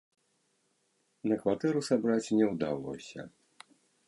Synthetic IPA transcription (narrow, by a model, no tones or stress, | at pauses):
nɐkvat̪ɛɾusabɾat͡sʲnʲɛwd̪alɔ̰sʲɐ̰